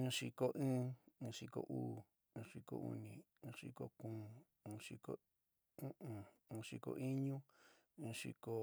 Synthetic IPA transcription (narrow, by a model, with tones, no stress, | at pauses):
ɨ̃˧˦ʂi˧ko˧ʔĩː˦˧ʂi˧ko̰˧ʔuː˦ | ũː˧ʂi˧ko̰˧ʔṵ˧nĩ˨ | ɨ̃ː˧ʂi˧ko˧kũː˨˧ | ũ˧ʂi˧ko˨ | ũ˦ʔũ˨˧ʂi˧ko̰˧ʔi˦ɲũ˦ | ĩː˧ʂḭ˧ko˧